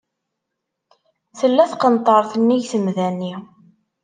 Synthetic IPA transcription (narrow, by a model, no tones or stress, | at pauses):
θəlːæθqənt̪ˤəɾˤθənːiʝθəmðænːi